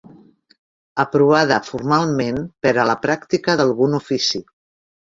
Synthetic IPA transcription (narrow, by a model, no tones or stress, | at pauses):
əpɾuβað̞əfuɾmalˠmenpəɾələpɾakt̪ikəðəlˠɣunufisi